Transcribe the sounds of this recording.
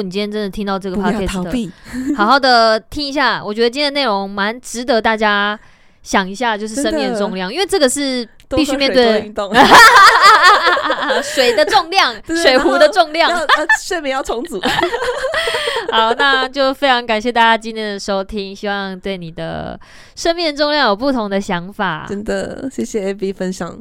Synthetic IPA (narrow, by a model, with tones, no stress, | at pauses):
ni˨˩t͡ɕĩ˥njɛ˥˧ʈ͡ʂə˦nd̪ə˨t̪ʰi˥ŋt̪ɑ˥˧ʊʈ͡ʂɤ˥˩ɡəpʰa˥ɛ˥˩˧xɑ˨˩ʊxɑ˥˩ʊd̪ə˨t̪ʰi˦˥ŋi˧˥ɕ̬ja˥˩wɔ˨˩t͡ɕɥɛ˧˥d̪ə˧t͡ɕi˥nj̪ə˩ne˥˩o˧˦ŋma˧˦nʈ͡ʂɻ̩˧˦t̪ə˧˦t̪a˥˩t͡ɕja˥ | ɕjɑ˨˩ŋi˧˥ɕja˥˧t͡ɕjo˥ʊʂɻ̩˥˩ʂə˥mi˥˧ŋd̪ə˨ʈ͡ʂʊ˥˧ŋljɑ˥˨ŋi˥nwe˥˧ɪʈ͡ʂɤ˥˩ɡə˩ʂɻ̩˥˧ | t̪i˥˧t͡ɕy˥˧mjɛ˥˧t̪we˥˩ɪ˧˨ | ʂwe˨˩ɪd̪ə˨˦ʈ͡ʂʊ˥˧ŋljɑ˥˨ŋʂwe˨˩ɪxu˨˥d̪ə˧ʈ͡ʂʊ˥˧ŋljɑ˥˨swe˥˧ɪmjɛ˨˩˦jɑ˥˩ʊt͡sʰo˧˥ŋt͡su˨˩ | xa˨˦ʊna˥˧t͡ɕjo˥˩ʊfe˥ɪʈ͡ʂʰɑ˧˥ŋka˨˩nɕjɛ˥˧t̪a˥˩t͡ɕja˥t͡ɕi˥˧njɛ˥˩nd̪ə˩ʂo˥o˥ʊt̪ʰi˥ŋɕi˥wɑ˥˨ŋt̪we˥˩ɪni˨˩d̪ə̰˩ | ʂə˥nmjɛ˥˩nʈ͡ʂŋljɑ˥˩ŋjo˨˩ʊpu˥˩t̪ʰʊ˧˥ŋd̪ə˨ɕjɑ˧˥ŋfa˨˩ə˦˥nd̪ə̰˨ɕɛ˥˩ɕjɛ˨e˥bi˧˥fə˦nɕjɑ̰˨˩ŋ